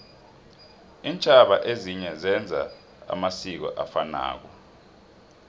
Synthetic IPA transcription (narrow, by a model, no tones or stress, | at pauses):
iːnt͡ʃʼaɓaʔeziɲɛzɛnd͡zʱa̰ | a̰masik̬ɔ̰ʔafana̰ːk̬ɔ